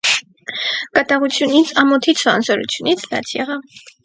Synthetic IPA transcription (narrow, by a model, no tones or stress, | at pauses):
kɑt̪ɑʁut͡sʰjunit͡sʰɑmɔt̪ʰit͡sʰvɑ̰nsɔɾṵt͡sʰjunit͡sʰlɑ̰t͡sʰjɛʁɑv